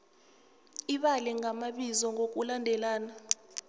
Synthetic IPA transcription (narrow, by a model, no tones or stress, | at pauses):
iɓalɛŋamaɓizɔŋok̬ʼulandʱɛlaːna